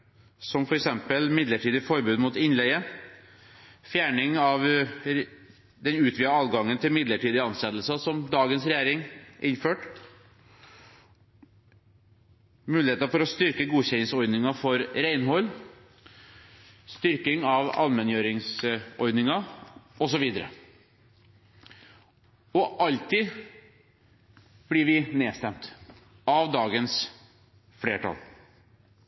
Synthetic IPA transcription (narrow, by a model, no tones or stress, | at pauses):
sɔmfɔɾɛksɛmpəlmɪd̪ləʈʰiːd̪ɪfɔɾbʉːd̪muːt̪ɪnlɛɡə | fjæːɳɪŋɑʋ | d̪ɛnʉːt̪ʰʋiːəɑːʋ̪ɡɑŋːənt̪ʰɪlmɪd̪ləʈiːd̪ɪɑnsɛt̪ːəlsɑsɔmd̪ɑːɡənsɾɛjæːɾɪŋʔɪnføːʈ | mʉːlɪheːt̪əfɔɾɔst̪ʏɾkəɡuːçɛlɪŋsɔɾd̪nɪŋɑfɔɾɾæɪnɦɔlː | st̪ʏɾkɪŋɑʋɑ̰lmɛnjøːɾɪŋsɔɾd̪nɪŋɑɔsɔʋiːd̪əɾə̰ | ɔʔɑlt̪iː | b̥lɪɾʋɪneːst̪ɛmt̪ | ɑʋd̪ɑːɡəns | fɽeːʈʰɑ̰l